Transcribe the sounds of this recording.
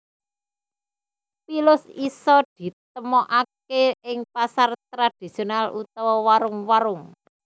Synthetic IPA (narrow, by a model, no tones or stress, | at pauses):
pilʊsisɔd̪̥i̤t̪̚əmɔʔakeɪŋpasart̪ɾad̪̥i̤sionalut̪ɔwɔwaɾʊŋwaɾʊŋ